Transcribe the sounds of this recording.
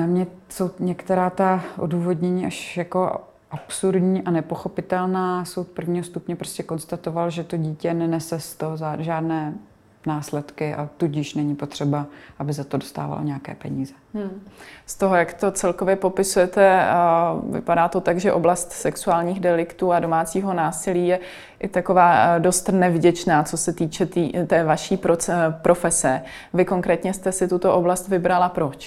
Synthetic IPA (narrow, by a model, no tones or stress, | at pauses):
amɲɛso̞wɲɛkt̪ɛɾaːt̪aʔo̰duːvo̞dɲɛɲiːʔaʃjako̞ | ʔapsuɾdɲiːʔanɛpo̞xo̞pɪt̪ɛlnaːso̞wpr̩vɲiːɦost̪upɲɛpɾo̞scɛko̞nst̪at̪o̞valʒɛt̪o̞ɟiːcɛnɛnɛsɛst̪oɦozaʒaːdnɛː | naːslɛt̪kɪʔa̰t̪uɟɪʃnɛɲipo̞t̪r̥ɛbaʔabɪzat̪odo̞st̪a̰ːva̰l̰ɲɛjakɛ̰ːpɛ̰ɲiːzɛst̪o̞ɦojakt̪o̞t͡sɛlkovjɛpo̞pɪsujɛt̪ɛ | vɪ̰padaːt̪o̞t̪aɡʒɛʔo̞blast̪sɛksuaːlɲiːxdɛlɪkt̪uːado̞maːt͡siːɦo̞naːsɪliːjɛ | ʔɪt̪ako̞vaːdo̞st̪nɛvɟɛt͡ʃnaːt͡so̞sɛt̪iːt͡ʃɛt̪iːt̪ɛːvaʃiːpɾopɾʔo̞fɛsɛ | vɪko̞ŋkɾɛːt̪ɲɛst̪ɛsɪt̪ut̪o̞ʔoblast̪vɪbɾalapɾo̞t͡ʃ